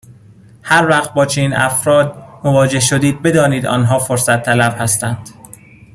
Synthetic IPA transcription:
hæɾvæχt̪̚bɒːt͡ʃʰeniːnʔæ̰fɾɒːd̪̚movɒːd͡ʒe̞hʃod̪iːd̪̚be̞d̪ɒːniːd̪ɒ̰ːnɦɒːfoɾsæt̪ʰːælæb̥hæst̪ænd̪̥

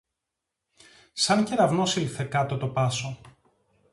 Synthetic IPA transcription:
sɐnceɾɐvnosilθekɐt̪ot̪o̞pɐso

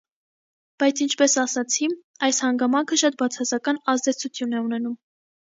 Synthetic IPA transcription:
b̥ɑjt͡sʰint͡ʃʰpɛsɑsɑt͡sʰi | ɑjshɑŋɡɑmɑŋkʰəʃɑt̪̚bɑt͡sʰɑsɑkɑnɑzd̪ɛt͡sʰut͡sʰjunɛunɛnum

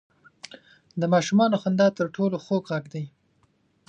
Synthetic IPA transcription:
d̪əmɑʃumɑnoxand̪ɑt̪əɾʈʰoloxoɡɣaɡd̪aj

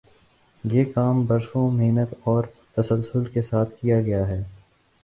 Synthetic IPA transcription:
jeːkaːmbɐɾsõmeːnət̪ɔːɾ | t̪ɐsəlsʊlkesaːt̪ʰkijaɡɐjaɦɛː

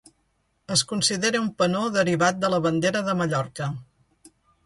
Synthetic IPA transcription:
əskunsiðeɾeumpənoðəɾiβat̪̚d̪ələβənd̪eɾəðəməʎɔɾkə

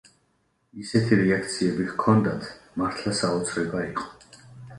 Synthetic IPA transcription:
isɛt̪ʰiɾɛakʰt̪sʰiɛbiɣkʰɔnd̪at̪ʰmaɾt̪ʰlˠasaɔt̪sʰɾɛbaiqʼɔ̥

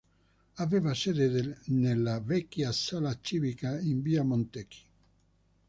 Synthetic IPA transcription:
avevased̪ed̪nelːavɛkːjasalat͡ʃiβikaimbiamont̪eki̥

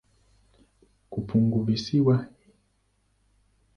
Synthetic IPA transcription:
kupʰuŋɡuvisiwa

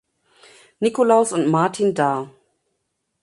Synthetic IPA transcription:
nikolaʊsʊntmaɐtʰindaː

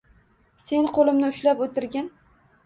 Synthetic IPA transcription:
se̞nqʰolɪmnɪʊʃlapot̪ɪɾɡʲan

